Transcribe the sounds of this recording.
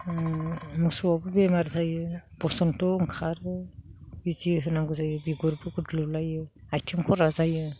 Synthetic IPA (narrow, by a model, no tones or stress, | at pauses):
musɔwabɯbemaɾzajɯb̥ɔsɔntɔɯŋkʰaɾɯbiziɦɯnaŋɡuzajɯbiɡɔɾbɯɡudlɯlajɯajtʰemkʰɔɾazajɯ